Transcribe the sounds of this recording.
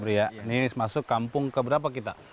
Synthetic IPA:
bɾijanismasʊkːampʊŋkəbəɾap̬akit̪a

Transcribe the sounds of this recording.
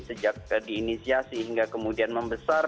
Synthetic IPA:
səd͡ʒak̚diːnisiasiɦiŋɡakəmudianməmbəsar

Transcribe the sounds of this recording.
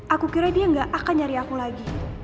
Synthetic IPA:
ʔakukiɾadiaŋɡaʔakanɲaɾiakulaɡi

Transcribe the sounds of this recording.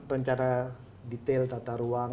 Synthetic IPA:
rəɲt͡ʃaɾa | dit̪ɛlt̪at̪aɾua

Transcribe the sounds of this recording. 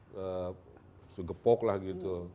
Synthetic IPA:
ə | suɡəpɔklahɡit̪u

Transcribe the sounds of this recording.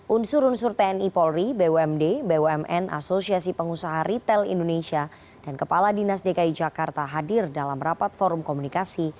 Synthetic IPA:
ʔunsuɾunsurt̪ɛɛnipɔlribewɛmdebeoɛmʔɛnʔa̰sosiasipəŋusaɦaɾit̪ɛlḭndonesia | d̥ankəpaladinasdekaid͡ʒakart̪aɦadɪrdalamɾapat̪̚fɔɾʊmkomunikasi

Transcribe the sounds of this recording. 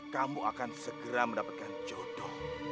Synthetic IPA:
kamuʔa̰kansəɡəɾaməndapat̪̚kant͡ʃɔt̪ɔh

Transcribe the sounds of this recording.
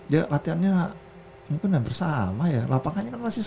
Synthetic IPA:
jalat̪ianɲa | mukɪnɡaŋbərsamajalapaŋaɲakanmasi

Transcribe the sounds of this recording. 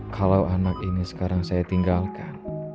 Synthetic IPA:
kʰalawanakinisə̥kaɾaŋsajat̪iŋɡalkan

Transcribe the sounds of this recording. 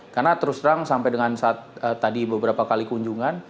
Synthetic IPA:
karnat̪əɾʊsəɾaŋsampajdəŋansaːt̪̚ət̪ːadibəbəɾapakalikuɲd͡ʒuŋan

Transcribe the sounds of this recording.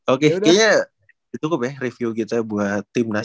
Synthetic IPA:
okekɛɲa | dit͡ʃ̪ukʊpjɛhrefiukit̪abuaht̪ɪmna

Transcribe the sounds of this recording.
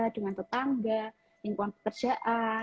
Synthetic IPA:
adəŋant̪ət̪aŋɡa | jaŋkuanpə̥kərd͡ʒaʔa

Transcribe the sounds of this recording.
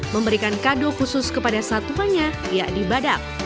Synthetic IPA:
məmbəɾikankadokusʊskəpadasat̪uɦanɲa | jaʔdibadak̚

